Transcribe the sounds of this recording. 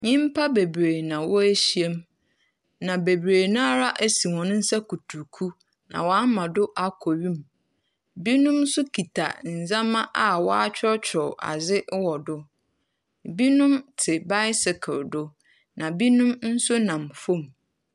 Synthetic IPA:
ɲĩ˦m˦pʰa˦be˨bɾe˨nã˨wɔ˦æ˦ɕi˦e˦m | nã˨be˨bɾeː˨nã˦ɾa˦ʔæ˦si˨wɔ̃˨nʊ̃˦n̩˦sɛ˦ku˨tʰu˨kʰu˦ | nã̰˨wɔ˨a˦mã˨dʊ˦ʔa˦kʰɔ˨ɥĩ˦m | bi˦nʊ̃˦m˦sʊ˦kʰi˨tʰa̰˨n̩˨zã˦mã˦ʔa˨wɔ˦a˦t͡ɕᶣʰɪ˦ɔ˦t͡ɕᶣʰɾɔ˨a̰˨zɪ˦wɔ˨dʊ˦˨ | bi˦nʊ̃˦mtʰɪ˨ba˦ɪ˦sɪ˨kʰɪ˨ldʊ˦ | nã˨bi˦nũ˦mn̩˦sʊ˦nã˨mfõ˦˨m

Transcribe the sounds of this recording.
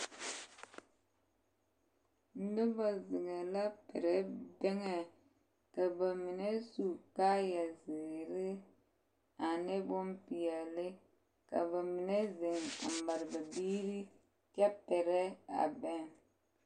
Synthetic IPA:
nu˦ba˨zɪ˨ŋa˨la˦pɛ˨ɾɛ˦bɛ˦ŋɛ˨ | ka˨ba˨mi˨ne˦su˨ka˦ja˨zɪ˨ɾɪ˦ | a˨ne˦bʊ˦mpi˨jɛ˨lɪ˦ | ka̰˨ba˨mi˨ne˦zɪ˨ŋa̰˨m˨ba˨ɾɨ˨ba˨biː˦ɾi˦ | kɛ˦pɛ˨ɾɛ˦a̰˨bɛ˦ŋ

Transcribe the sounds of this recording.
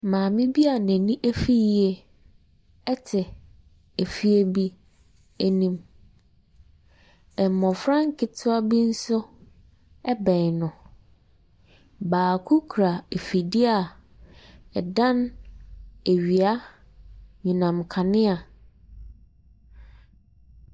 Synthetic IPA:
mãː˨mɪ̃˦bi˦a˨nɛ̃˨nĩ˦ʔæ˦fi˦je˨ | ɛ˦tʰɪ˨ | e˨fi˦e˦bi˦ | æ˦nĩ˦m | ɛ˨mɔ̃˨fɾã˦ŋ˦kʰɪ˨tʰʊ˦a˦bi˦n̩˦sʊ˦ | ɛ˦bɛ̃˨ɲ˨nʊ̃˨ | baː˨kʰu˦kʰɾa˨e˨fi˨di˦a˨ | ɛ˨dã˦n | e˨ɥi˨a˦ | ɲũ˨nã˨mkʰa˨nɪ̃˦a˨

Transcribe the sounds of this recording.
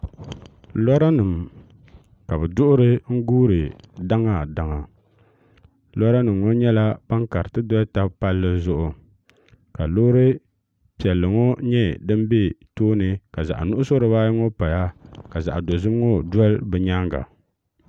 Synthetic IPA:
lɔ˦ɾa˦nɨ˨m | ka˨bɛ˨dʊ˦ʔʊ˦ɾɨ˦ŋ̩˦ɡuː˦ɾɨ˨da˦ŋa˨da˨ŋa˨ | lɔ˦ɾa˦nɨ˨mŋo˦ɲɛ˦la˦pa˦ŋka˨ɾɨ˨tɨ˦dɔ˦lta˦pa˦lːɨ˦zʊ˦ʔʊ˨ | ka˨loː˦ɾɨ˦ | pi˨ɛ˨lːɨ˨ŋo˦ɲɛ˦dɨ˦m˦be˦toː˦nɨ˨ka˨za̰˨ʔa̰˨nʊ˦ʔʊ˦so˦ɾɨ˨baː˦jɪ˦ŋo˦pa˨ja˦ka˨za̰˨ʔdo˨zɨ˦m˦ŋo˦dɛ˦lbɨ˨ɲa˦ŋɡa̰˨

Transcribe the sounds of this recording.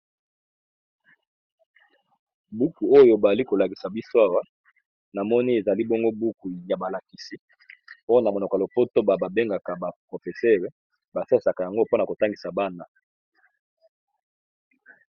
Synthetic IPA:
bu˦ku˨o˦jo˦ba˨li˦ko˨la˨ki˨sa˨bi˦so˦a˦wa˦ | na˨mɔ˦ni˦e˨za˨li˦bɔ˦ŋɡo˦bu˦ku˨ja˨ba˨la˨ki˨si˦ | o˦jo˦na˨mo˨no˨ka˨lo˨po˦to˦ba˨ba˨be˦ŋɡa˨ka˨ba˨pʁo˨fe˨sɛ˦ʁe˦ | ba˨sa˦i˨sa˨ka˨ja˨ŋɡo˦po˦na˨ko˨ta˦ŋɡi˨sa˨ba˦na˨

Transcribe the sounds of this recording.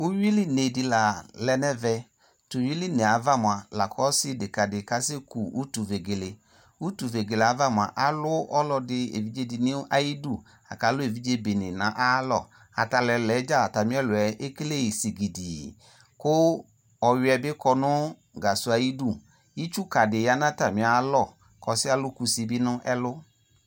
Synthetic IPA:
u˦wi˦li˦ne˨dɪ˧la˨lɛ˧nɛ˦vɛ˧ | tu˨wi˦li˦ne˨a˨va˦˨mwa˨la˨kʰɔ˨˦sɪ˦dɪ˨ka˨dɪ˨ka˦se˦ku˨u˦tu˨ve˨ɡe˨le˨ | u˦tu˨ve˨ɡe˨le˨a˨˦va˦˨mʊ˨a˨ʔa˨lʊ˦ɔ˦lɔ˧dɪ˧ḛ˨vi˦d͡ʒe˦dɪ˨ni˦ʔa˨ji˦du˦˨ | a̰˨ka˨˦lʊ˦e˨vi˦d͡ʒe˦be˨nɪ˨nã˨˦ʔa˦lɔ̰˦˨ | a̰˨ta˧lɛ˧lɛ˨˦d͡ʒa˦la˨ta˨mĩ˦ɛ˦lʊ˨ɛ˨˦ʔe˦ke˦le˦˨si˨ɡi˨di˨ | kʊ˦ | ɔ˧jʊ˧˦ɛ˧bɪ˦kɔ˧nʊ˦ | ɡa˨sʊ˧˦a˧ji˦du˦˨ | i˦t͡ʃu˦ka˨dɪ˨ja˨˦nã˦ta˨mɪ̃˨˦a˨˦lɔ˦˨ | kɔ˨˦sɪ˦a˦lʊ˦ku˧si˧bi˦nʊ˦ʔɛ˦lʊ˦

